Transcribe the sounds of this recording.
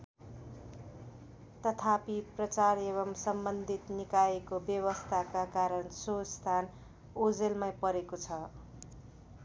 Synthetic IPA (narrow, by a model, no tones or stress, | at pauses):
t̪ʌt̪ʰapiprʌt͡sareβʌmsʌmbʌnd̪ʱit̪nikaekobjʌβʌst̪ʰakakaɾʌnsost̪ʰan | od͡zelmajpʌɾekot͡sʰʌ